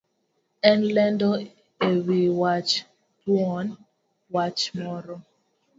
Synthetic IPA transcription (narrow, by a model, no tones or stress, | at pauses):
ɛ̃nlɛ̃ndɔ | ewiwat͡ʃ | tuɔn | wat͡ʃmɔɾɔ